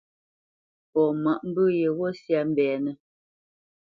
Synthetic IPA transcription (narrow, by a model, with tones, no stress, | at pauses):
pɔ˨ma˨ʔm̩˦bʉ˦je˨wɔ˦sja˦m̩˦bɛː˨nə˦